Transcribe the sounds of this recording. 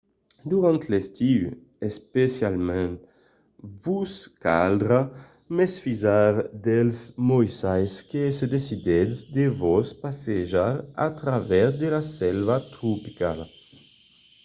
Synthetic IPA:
d̪uʁãnt̪lest̪iw | espesjalmɛ̃n | vuska̰ld̪ɾa | mesfizaɾd̪ɛlsmɔjsajskesed̪esid̪ɛd̪sd̪evɔspaseʒaɾa̰t̪ɾavɛzd̪elasɛlvat̪ɾupikal

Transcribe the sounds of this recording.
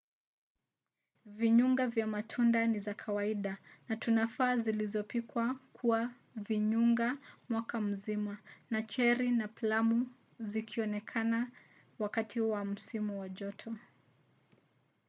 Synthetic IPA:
viɲuŋɡavjamatʰundanizakʰawaiɗanatunafaːzilizɔpikwakʰua | viɲuŋɡamwakam̩zimanat͡ʃɛɾinaplamu | zikʰiɔnɛkʰana | wakatiuwam̩simuwaʄɔtʰɔ

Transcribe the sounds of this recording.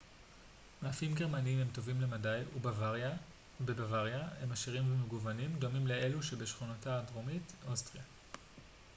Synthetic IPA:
maːfimɡe̞ʁmaniimhemto̞vimle̞madajubavaʁa | bebavaʁjahe̞maʃiʁimvemeɡuvanimdo̞mimle̞ʔe̞luʃebe̞ʃχunataːdʁomitʔostʁija

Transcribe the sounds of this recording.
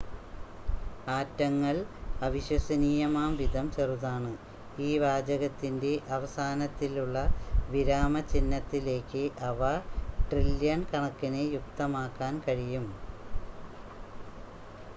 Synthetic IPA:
aːtːɐŋːɐɭɐʋiɕwɐsɐniːjɐmaːmʋid̪ʱɐmt͡ɕeruðaːɳɨ | iːʋaːd͡ʑɐɣɐt̪ːinde̞ʔɐʋɐsaːnɐt̪ːiluɭːɐʋiɾaːmɐt͡ɕinːɐt̪ːile̞ːkːɨʔɐʋɐʈrilːjɐnkɐɳɐkːinejuk̚t̪ɐmaːkːaːnkɐɻijum

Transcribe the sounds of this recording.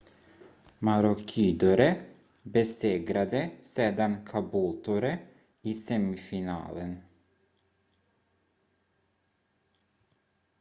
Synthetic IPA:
mɑɾʊkʰiːd̪ʊɾə | bəseːɡɾɑd̪əseːd̪ɑnkʰɑbuːlt̪ʰʊɾə | iːsɛmɪfɪnɑ̰ːlən

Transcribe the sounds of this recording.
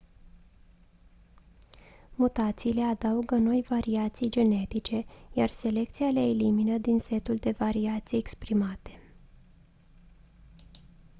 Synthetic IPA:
mut̪at̪siːle̞ad̪auɡəno̞jvaɾiat̪sijd͡ʒe̞ne̞t̪it͡ʃe̞jarse̞le̞k̚t̪sijaleeliminəd̪inse̞t̪uld̪e̞vaɾiat̪sijekspɾimat̪e̞̥

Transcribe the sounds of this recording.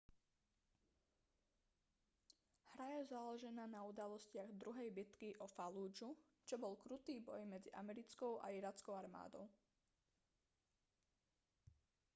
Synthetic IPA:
hɾajɛzaːlɔʒɛnaːnaud̪alɔscɪaɣd̪ɾuɦɛjbit̪kiʔɔfaluːd͡ʒu | t͡ʃɔbɔlkɾut̪iːbɔ̰jmɛd͡ziʔa̰mɛɾit͡skɔʊʔa̰iɾaːt͡skɔʊaɾma̰ːd̪ɔʊ

